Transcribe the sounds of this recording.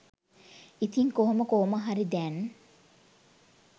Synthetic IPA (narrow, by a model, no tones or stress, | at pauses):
it̪iŋkoɦoməkoɦoməɦaɾid̪ɛn